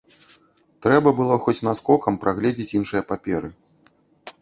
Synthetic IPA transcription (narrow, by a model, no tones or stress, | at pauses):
t̪ɾɛbɐbɨlˠɔxɔt͡sʲnaskɔkɐmpɾʔaɣlʲɛd͡zʲit͡sʲinʂɨjɐpapʲɛɾɨ